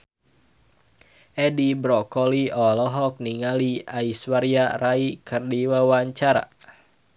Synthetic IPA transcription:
ʔɛdibɾɔkɔliɔlɔɦɔk̚niŋaliaiswaɾiaraikʰɨrdiwawaɲt͡ʃaɾa̰

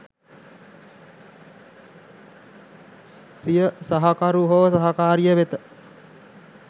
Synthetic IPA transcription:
sijəsɐɦakaɾuɦoʋəsaɦakaːɾijəʋet̪ə

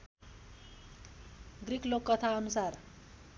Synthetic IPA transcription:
ɡrikʰlokːʌt̪ʰaʌnusar

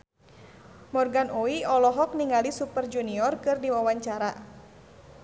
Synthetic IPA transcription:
mɔrɡanʔoiɔlɔɦɔk̚niŋalisupərd͡ʒuniɔrkɨrdiwawaɲt͡ʃaɾa

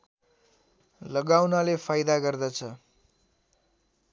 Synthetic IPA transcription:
lʌɡawnalepʰajd̪aɡʌrd̪ʌt͡sʰʌ

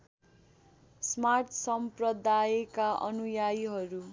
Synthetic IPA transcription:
smart̪ʰsʌmprʌd̪aekaʌ̰nujajɦʌɾu

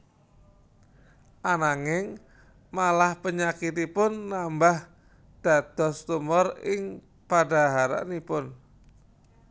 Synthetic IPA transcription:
ʔanaŋɪŋ | malahpəɲakit̪ipʊnːambah | d̪̥a̤d̪̥ɔ̤st̪umɔrɪŋ | pada̤ɦaɾa̰ʔnipʊn

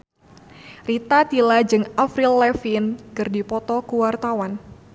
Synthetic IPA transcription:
rit̪at̪ilad͡ʒɨŋafɾilːɛfinkɨrdipɔt̪ɔkuwart̪awan

